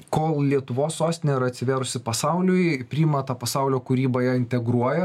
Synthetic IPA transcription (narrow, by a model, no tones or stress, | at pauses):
koːlˠlʲiɛt̪ʊʋoːsːoːst̪ʲɪnʲeiɾɐt̪ʲsʲɪʋʲæːɾʊsʲɪpɐsɑʊlʲʊjpʲɾʲiːmɐt̪ɑpɐsɑʊlʲoːkʊɾʲiːbɐjæːɪnʲt̪ʲɛɡɾuɔjɛ